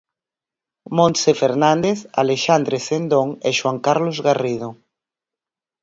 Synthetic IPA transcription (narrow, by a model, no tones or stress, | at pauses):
mõnsefeɾnãnd̪eθa̰leʃand̪ɾesend̪oŋeʃwaŋkaɾlozɣariðo